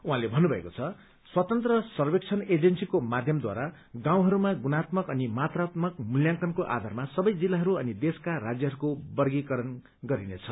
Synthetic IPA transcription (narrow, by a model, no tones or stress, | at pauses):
uɦãlebʱʌnːubʱʌḛkot͡sʰʌ | swʌt̪ʌnt̪rʌsʌrbek̚t͡sʰʌned͡zensikomad̪ʱjʌmd̪wa̰ɾa | ɡãw̃ɦʌɾumaɡunat̪mʌkʌnimat̪rat̪mʌkmuljãŋkʌnkoʔa̰d̪ʱarmasʌbʌjd͡zilːaɦʌɾuʌnid̪eskaɾad͡zjʌɦʌɾukobʌrɡikʌɾʌn | ɡʌɾinet͡sʰʌ